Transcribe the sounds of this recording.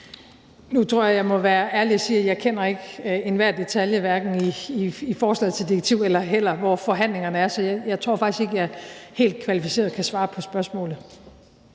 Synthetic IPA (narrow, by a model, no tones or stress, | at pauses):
nut͡sʰʁo̝ɐ̰jɑjɑ̈ɪmɒ̽ʋæːɐʔæɐliɒsiːæjɑ̈ɪkʰen̰ɐe̝ɡ̥e̝nʋæɐ̰d̥e̝t͡sʰæljəʋæɐɡ̥n̩iːfɒːslɛ̰ːð̩ˠt͡sʰe̝ld̥iʁeɡ̥̚t͡sʰiʊ̰elɐɦel̰ɐʋɒfɒ̽ɦæn̰le̝ŋɐnəæɐsɒ̽jajɑ̈ɪt͡sʰʁo̝ɐfɑ̈ɡ̥isɡ̥e̝ɡ̥əjɑhe̝̰ːld̥̚kʰʋælifise̝̰ːɐð̩ˠkʰæsʋɑ̈ːpʰɒ̽sb̥ɶɐsmɔ̰̽ːlð̩ˠ